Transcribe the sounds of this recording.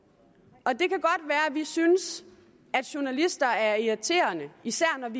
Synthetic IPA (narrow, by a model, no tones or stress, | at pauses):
ɒ̽d̥e̝kæɡ̥ɒ̽d̥ʋæːɐʋisyns | æd̥ɕu̝nælisd̥ɐæɐiæt͡sʰe̝̰ːɐnəisæɐ̰nɒʋi